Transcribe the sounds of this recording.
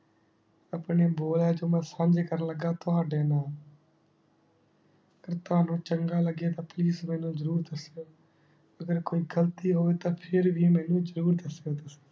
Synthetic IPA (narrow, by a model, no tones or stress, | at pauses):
əpneːboːlaːd͡ʒoːmɛ̃ːsãɲd͡ʒekəɾnləɡːaːt̪ʊɦaːɖeːnaːl | əɡəɾt̪ʊɦaːnũːt͡ʃəŋɡaːləɡeːt̪ãːpliːsmɛːnũːzəɾuːɾd̪əsjoː | əɡəɾkoːiːɡəlt̪iːɦoːeːt̪ãːpʰɪɾʋiːmɛ̃ːnũːzəɾuːɾd̪əsjoːd̪əseː